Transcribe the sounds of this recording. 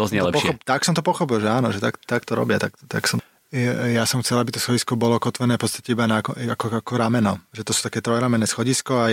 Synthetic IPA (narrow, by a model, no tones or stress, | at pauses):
d̪ɔznɲɛlɛpɔxɔpt̪aksɔmt̪ɔpɔxɔp̬ilʒɛaːnɔʒɛt̪akt̪akt̪ɔɾɔ̰bɪat̪akt̪a̰ksɔm | jasɔmxt͡sɛlabit̪ɔsxɔɟiskɔbɔlɔkɔt̪ʋɛnɛːfpɔt͡st̪ḁcɛibanakakɔakɔɾamɛnɔʒɛt̪ɔsuːt̪akɛːt̪ɾɔjɾamɛnɛːsxɔɟiskɔa